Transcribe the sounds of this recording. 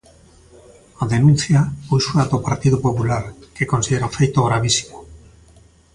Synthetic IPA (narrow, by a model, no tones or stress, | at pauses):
aðenũnθjaujsuat̪opaɾt̪iðopopulaɾkekonsiðeɾaofejt̪oɣ̞ɾaβ̞isi̥mo